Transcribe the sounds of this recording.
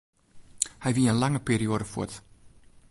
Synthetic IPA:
hɛjviːəənlɑŋəpeːɾioːɾəfṵət

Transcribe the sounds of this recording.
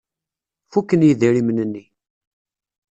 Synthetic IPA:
fukːənjiðiɾimnənːi

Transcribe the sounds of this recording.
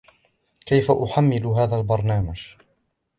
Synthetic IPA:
kajfaʔʊħamːɪlʊɦaːðalbɑɾˤnaːmad͡ʒ

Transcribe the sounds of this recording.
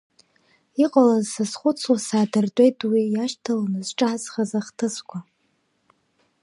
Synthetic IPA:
iqʼalazsazχʷʊt͡sʰwasaːdɨrdʼe̞jtʼwijaʃtʰalanɨzʈ͡ʂʼazχazaχtʰɨskʷʰa

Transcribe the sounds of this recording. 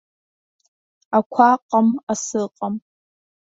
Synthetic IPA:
akʷʰaːqʼɐmasɨːqʼɐm

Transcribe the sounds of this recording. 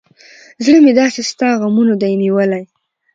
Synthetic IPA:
zɽəmed̪ɑsest̪ɑɣamunod̪ajniwəlaj

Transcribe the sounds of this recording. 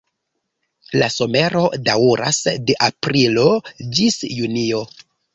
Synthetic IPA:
laso̞me̞ɾo̞dauɾa̰sdeʔapɾilo̞d͡ʒisjunio̞

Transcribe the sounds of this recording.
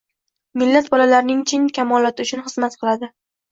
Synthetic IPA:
mɪlːat̪̚bɒlalaɾnɪŋt͡ʃʰɪnkʲʰamɒlˠɒt̪ʰɪʊt͡ʃʰʊnχɨzmat̪qʰɨlˠad̪ɪ

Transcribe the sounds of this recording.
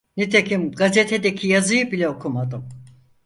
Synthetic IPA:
nit̪ʰekʰimɡazɛt̪ʰɛd̪ɛkʰijazɯjɯbilʲɛokʰumad̪ɯm

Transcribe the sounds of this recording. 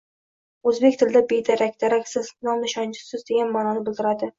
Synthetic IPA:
ɵzbekʲt̪ʰɪld̪abed̪aɾakʲd̪̥aɾakʲsɪznɒmnɪʃɒnt͡ʃʰɪ̥sɪzd̪e̞ɡʲanmaːnɒnɪbɪlˠd̪ɪɾad̪ɪ

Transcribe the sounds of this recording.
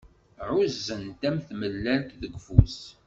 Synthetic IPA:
ʕʊzːənt̪æmθməlːælkðəɡfus

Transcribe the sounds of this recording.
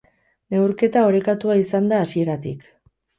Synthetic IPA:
ne̞wɾke̞t̪ao̞ɾe̞kat̪uaisand̪aːsie̞ɾat̪ḭk

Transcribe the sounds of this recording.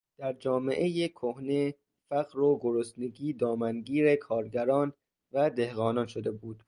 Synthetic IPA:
d̪̥æɾd͡ʒɒːme̞̰ʔejekʰohne̞ | fæɣɾoɡoɾosneɡiːd̪ɒːmænɡiːɾe̞kʰɒːɾɟæɾɒːn | væd̪e̞hɣɒːnɒːnʃod̪e̞buːd̪̥

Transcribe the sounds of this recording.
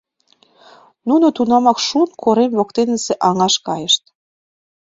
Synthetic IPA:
nunot̪unɑmɑkʃunkʰoɾemβokt̪enə̆seʔɑŋɑʃkɑjəʃt̪

